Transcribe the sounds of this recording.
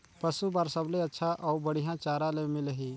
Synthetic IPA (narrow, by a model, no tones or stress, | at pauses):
pɐsubaːɾsəbleɐtːʃʰaʔɔːɾbəɽijãt͡ʃaːɾãlẽmɪlɦi